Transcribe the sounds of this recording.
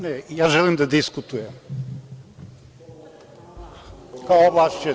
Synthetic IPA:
nɛijazʒɛlˠimd̪ɐd̪iskut̪ujɛm | kaɔvaʃt͡ʃɛ

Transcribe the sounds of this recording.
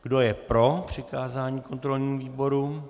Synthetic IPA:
ɡ̥do̞jɛpɾo̞pr̝̥ɪkaːzaːɲiːko̞nt̪ɾo̞lɲiːmuviːbo̞ɾu

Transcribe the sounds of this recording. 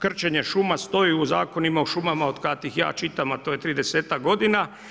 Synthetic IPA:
kr̩t͡ʃeɲe̞ʃumast̪o̞jiuza̰ːko̞nimaoʃumamao̞d̪kat̪ixja̰ːt͡ʃit̪amat̪oːjet̪ɾid̪eseːt̪ak̚ɡo̞d̪ina

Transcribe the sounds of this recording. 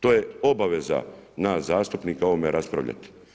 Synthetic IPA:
t̪o̞ːjeo̞baʋe̞za̰nazaːst̪upniːkao̞ʋomeɾaspɾa̰ʋʎa̰t̪i̥

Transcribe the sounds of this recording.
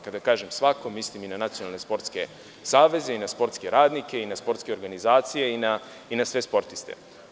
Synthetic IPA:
kad̪akaːʒemsʋako̞misliminanat̪sionalne̞spo̞ɾt̪ske̞̰ | saːʋe̞ze̞inaspo̞ɾt̪ske̞ɾaːd̪nike̞inaspo̞ɾt̪ske̞o̞ɾɡanizaːt̪sije̞ina | inasʋe̞spo̞ɾt̪ist̪e̞̰

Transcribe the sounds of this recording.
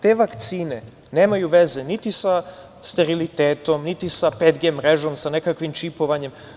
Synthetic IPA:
t̪eːʋakt̪siːne̞ | ne̞ːmajuʋe̞zenit̪isa | st̪e̞ɾilit̪eːt̪o̞mnit̪isaped̪ɡemːɾeʒo̞msane̞kakʋimt͡ʃipo̞ʋaɲe̞m

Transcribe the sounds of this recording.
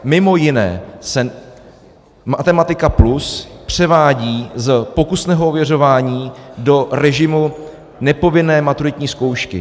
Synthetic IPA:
mɪmo̞jɪnɛ̰ːsɛ | mat̪ɛmat̪ɪkapluspr̝̥ɛvaːɟiːzpo̞kusnɛːɦoovjɛr̝o̞vaːɲiːdo̞ɾɛʒɪmu | nɛpo̞vɪnɛːmat̪uɾɪt̪ɲiːsko̞wʃkɪ̰

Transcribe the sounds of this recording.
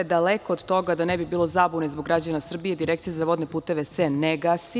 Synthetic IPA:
ed̪alekoːd̪t̪o̞ɡad̪anebibiːlˠo̞zabunezboɡɾad͡ʑanasr̩bijed̪iɾekt̪sijezaʋo̞d̪nepuːt̪e̞ʋeseneɡasi

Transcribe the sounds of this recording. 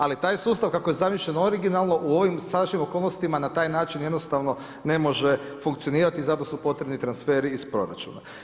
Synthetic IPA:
alit̪aːjsuːst̪aʋkako̞jezamiʃʎenoɾiɡinalˠno̞ʔuo̞ʋimsad̪aʃɲimo̞ko̞ːlˠnost̪imanat̪aːjnaːt͡ʃinje̞d̪nost̪aʋno̞ | ne̞mo̞ʒe | fuŋkt̪sijo̞niːɾat̪izat̪o̞supo̞t̪ɾebnit̪ɾansfe̞ːɾiːspɾo̞̰ɾa̰t͡ʃṵna̰

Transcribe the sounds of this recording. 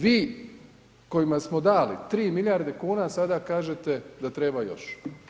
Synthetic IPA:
ʋiː | ko̞jimasmo̞d̪aːlḭt̪ɾiːmiljaɾd̪ekuːnasad̪akaːʒet̪e̞d̪at̪ɾebajo̞̰ʃ

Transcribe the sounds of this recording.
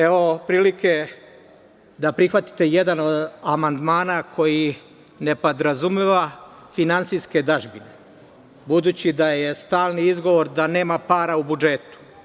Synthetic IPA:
eʋo̞pɾiːlike̞ | d̪apɾixʋat̪i̥t̪e̞jed̪ano̞d̪amand̪maːnakʰo̞ji | ne̞po̞d̪ɾazumeʋa | finant̪sijske̞d̪aʒbine̞ | bud̪uːt͡ɕid̪aje̞st̪aːlˠniizɡo̞ʋo̞ɾd̪ane̞ːmapaːɾaubud͡ʒe̞t̪u̥

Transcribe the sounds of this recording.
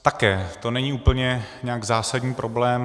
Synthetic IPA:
t̪akɛːt̪o̞nɛɲiuːpl̩ɲɛɲɛaɡzaːsadɲiːpɾʔoblɛːm

